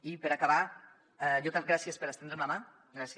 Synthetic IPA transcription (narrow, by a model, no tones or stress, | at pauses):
ipeɾakaβa | ɛjot̪aɡɾasjespeɾast̪end̪ɾemlama | ɡɾasj